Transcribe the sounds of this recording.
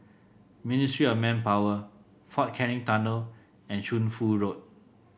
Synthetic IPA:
ministɹiɔfmɛ̃npawə | fɔt̚kʰɛɹĩŋtanəl | ɛ̃nʃũnfuɹot̚

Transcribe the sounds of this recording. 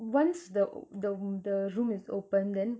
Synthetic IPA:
wãnsdədəd̪əɹũmɪzo̰pə̃ndɛ̃n

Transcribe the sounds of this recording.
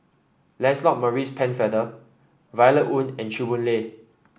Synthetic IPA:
lɛ̃nslɔk̚məɹispʰɛ̃nfɛdə | vajləʔʔũnɛ̃nt͡ʃubũnle

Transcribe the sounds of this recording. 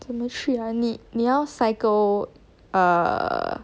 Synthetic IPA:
t͡səmət͡ɕʰyəninijɑʊsaɪko | ə̰

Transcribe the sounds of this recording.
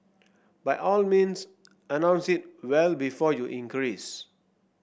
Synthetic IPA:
bajʔɔlmĩns | ənãw̃nsit̚wɛlbifɔjuʔĩŋkɹis

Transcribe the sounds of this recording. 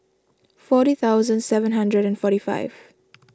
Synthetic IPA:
fɔːɾit̪ʰaʊzə̃ndsɛvə̃nɦãndɹəɾɛ̃nfɔːɾifa̰ɪv

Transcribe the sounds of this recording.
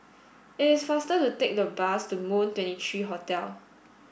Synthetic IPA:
ɪtɪsfastətutek̚dəbastumõntwɛ̃ntitʰɹiːɦɔtɛl

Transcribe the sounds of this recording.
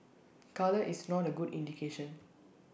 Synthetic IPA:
kaləʔisnɔtəɡudḭ̃ndikʰeʃə̃n

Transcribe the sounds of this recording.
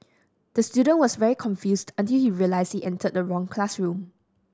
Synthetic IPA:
d̥əstjudə̃nwɔsvɛɹikʰɔ̃nfjusdə̃ntilhiɹiəlaɪsdhiʔɛ̃ntʰəd̚dəɹɔ̃ŋkʰlasɹũm

